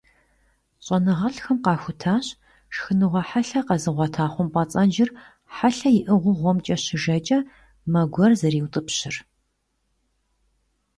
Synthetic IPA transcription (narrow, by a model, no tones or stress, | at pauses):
ɕʼɐnɨʁɐɬxɐmqɑːxʷʊtʰaːɕ | ʂxɨnɨʁʷɐħaɬɐqɐzɨʁʷɑtʰaːχʷʊmpʼɐt͡sʼɐnd͡ʒɪr | ħaɬɐjɪʔɨʁʷʊʁʷɔmt͡ʃʼɐɕɪʒɐt͡ʃʼɐ | mɐɡʷɔrzɐɾiːwtʼɨpɕɪr